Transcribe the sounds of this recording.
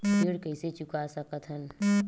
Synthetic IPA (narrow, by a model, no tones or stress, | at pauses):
iɽkəɪset͡ʃʊkasəkət̪ɦən